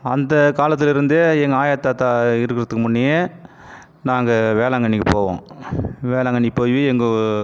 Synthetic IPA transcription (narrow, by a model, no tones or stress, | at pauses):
ɐnd̪ɐkaːlɐt̪̬ːɪlɪɾɯnd̪ɯɛŋɡɐaːjɐt̪ːaːt̪ːaɪɾɯkːɪɾɐðɯkːɯmʊɳːɪjeː | naːŋɡɐʋeːlɐŋɡɐɳːɪkːɯpoːʋõ̰ːʋeːlɐŋɡɐɳːɪpoːjʋiɛŋɡɐ